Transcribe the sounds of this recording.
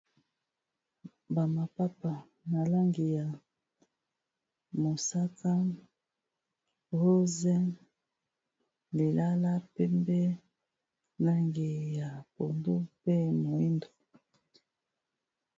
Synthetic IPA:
ba˨ma˨pa˦pa˨ | na˨la˦ŋɡi˨ja˨ | mo˨sa˦ka˦ | ho˦zɛ˦ | li˨la˦la˦pɛ˦mbɛ˦ | na˦ŋɡi˨ja˨po˨ndu˦pe˦mo˨i˦ndo˨

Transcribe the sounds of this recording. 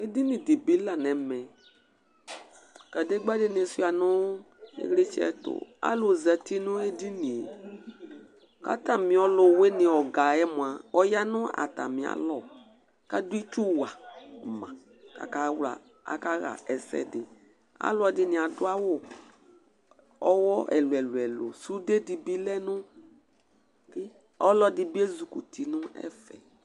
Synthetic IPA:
e˦di˦nĩ˨di˨bi˨˦la˨nɛ˨˦mɛ̃˨ | ka˨de˦ɡ͡ba˦de˦ne˨su˦˨a˨nʊ˦ | ḛ˦ɣle˦t͡ʃi˦ɛ̰˨tʊ̰˨a̰˦lo˨za˨ti˦nʊ̃˦e˦di˦nĩ˨ | ka̰˦ta˨mĩ˨ɔ˨˦lʊ˨we˦nɪ̃˨ɔ˨ɡa˨ɛ˦mu˨a˨ɔ˦ja˦nʊ˦a̰˨ta̰˨mĩ˨a̰˨lɔ˦˨ | ka˦du˦i˦t͡ʃu˦wa˨mã˨ | ka̰˨ka˨wla̰˨ | a̰˨ka˦ɣa̰˨ʔɛ˨sɛ̰˨dɪ˨ | a̰˨˦lɔ˨dɪ˦nɪ̃˨a˨dʊ˦a˦wo˦ | ɔ˦wɔ˦ɛ̰˨lʊ˨ɛ˨lu˨ɛ˨lo̰˨su˦de˦di˨bi˦lɛ˦nʊ˦ | kɪ˦ | ɔ˦lɔ˦dɪ˨bi˦e˦zu˨ku˨tʰi˨nʊ̃˦ɛ̰˦fɛ̰˨

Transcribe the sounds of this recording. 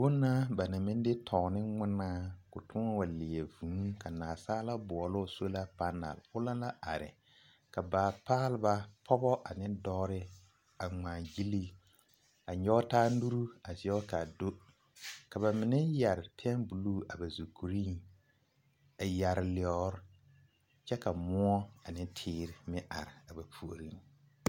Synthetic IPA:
bʊ˦nːa˦ba˨na˨mɪ̃˦n˦de˦tʰɔː˨nɪ˦ŋɪ˦naː˦kʊ˨tʰʊ˦a˦wa˨lɪ˨ɛ˨vũː˨˦ka˨naː˨saː˦la˦bʊ˨ɔ˨lʊ˦˨so˦la˦pa˦na̰˨lʊ˦la˦la˦ʔa̰˨ɾɪ̰˨ | ka˨baː˨paː˦lɪ˦ba˦pʰɔ˦bɔ˦ʔa˨nɪ˦dɔː˦ɾɪ˦ | a˨ŋaː˨ɡi˦li˦ | a˨ɲɔ˦taː˦nu˦ɾu˦a˨zɪ˨ɔ˦ka˨do˦ | ka˨βa˨mɪ˨nɛ˦ja˨ɾɪ˨pʰɛ˦nbu˨luː˦˨a˨ba˨zu˨ku˨ɾi˦ŋ | a˨ja˨ɾɪ˨lɪ˨ɔ˦ɾ | t͡ʃɛ˦ka˨mʊ˦ɔ˦a˨nɪ˦tʰɪː˦ɾɪ˨mɪ˦ʔa˨ɾɪ˨a˨ba˨pʰu˨o˨ɾi˦

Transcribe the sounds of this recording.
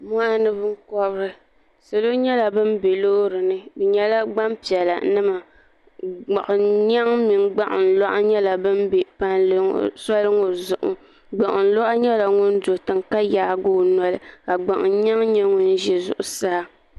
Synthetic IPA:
mɔ˦a˦nɨ˦bɨ˦ŋ̩˦kɔ˦bɨ˦ɾɨ˨ | sa˨lo˦ɲɛ˦la˨bɨ˦mbe˨lo˦ɾɨ˨nɨ˦bɨ˨ɲɛ˦la˦ɡ͡ba˦mpi˨ɛ˨la̰˨nɨ˦ma˨ | ɡ͡ba˨ʔʊ˨ɲa˦ŋmi˨ŋ˦ɡ͡ba˦ʔʊ˨n̩˨lɔ˦ʔa̰˦ɲɛ˦la˨bɨ˦m˦be˨pa˦nl̰sɔ˦lɨ˦ŋo˨zʊ˨ʔʊ̰˦ | ɡ͡ba˨ʔʊ˨n̩˦lɔ˦ʔa˦ɲɛ˦la˨ŋʊ˦n˦do˨tɨ˨ŋka˦jaː˨˦ɡo˦nɔ˦lɨ˦ka˨ɡ͡ba˨ʔʊ˨n˦ɲa˦ŋɲɛ˦ŋʊ˦n˦ʒɛ˦zʊ̰˦ʔʊ˨˦sa˦h

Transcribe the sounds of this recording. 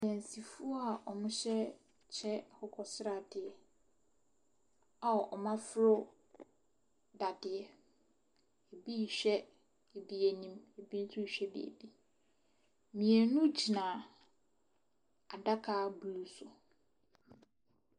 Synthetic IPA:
sɛ̃˨n˨si˨fu˦ɔ˦a˨ʔɔ˨mʊ̃˦ɕᶣɛ˦ | t͡ɕʰɛ˦˨hɔ˦kʰɔ˨sɪ˦ɾa˨dɪ˨ɛ˨ | a˨ɔ˨ʔɔ˨mã˦fʊ˦ɾʊ˦ | da˨dɪ˨ɛ˨ | e˨bi˦˨ɕᶣɛ˦ | e˨bi˦e˨nĩ˦me˨bi˦n̩˦sʰʊ˦˨ɕᶣɛ˦bḛ˨ḛ˨bi˦ | mĩ˨e˨nʊ̃˦d͡ʑʰi˨nãː˨ | a˨da˦kʰa˦bu˨u˦sʊ˨

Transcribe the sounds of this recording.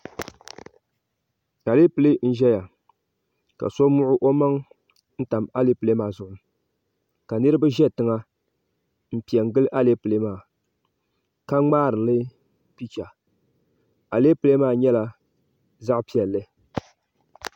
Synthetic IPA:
ka˨le˦pɨ˨le˦n̩˦ʒɛ˦ja˨ | ka̰˨so˦mʊ˦ʔʊ˦ʔo˦ma˦ŋ | n̩˦ta˨ma˦le˦pɨ˨le˦maː˨zʊ˨ʔʊ˨nɨ˨ | ka˨nɨ˦ɾɨ˦ba˦ʒɛ˦tɨ˨˦ŋa˦ | m̩˦pi˨ɛ˨ŋ˦˨ɡɨ˦lʔa˦le˦pɨ˨le˦maː˦˨ | ka˦ŋ͡maː˦ɾɨ˨lɨ˦ | pi˦t͡ʃa˨ | a˨le˦pɨ˨le˦maː˦˨ɲɛ˦la˨ | za˦ʔpi˦ɛ˨lːɨ˦

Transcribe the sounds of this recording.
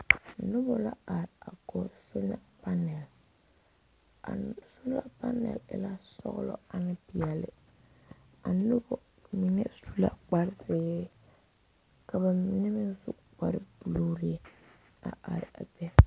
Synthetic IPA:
nʊ˦bɔ˨la̰˦a˨ɾɪ˨a˨ɡɔ˨sʊ˦n˦a˨pa˦nɛ˨l | a̰˨sʊ˦n˦la˦pa˦nɛ̰˨lɪ̰˨la˦sɔ̰˦ɣlɔ̰˦a˨nɪ˦pɪ˨ɛ˨lɪ˨ | a˨nʊ˦bɔ˨ | mi˨nɛ˦stu˦la̰˨k͡pa˦ɾɪ˦sɪː˨˦ | ka˨ba˨mi˨nɛ˦mɪ˦nzʊ˦k͡pa˨ɾɪ˦bu˨lo˦ɾi˦ | a̰˨a˨ɾɪ˨a˨bɛ˦

